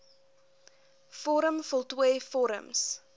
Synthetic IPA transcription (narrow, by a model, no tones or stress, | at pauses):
fɔɾəmfəlˠtwiəfɔɾə̰ms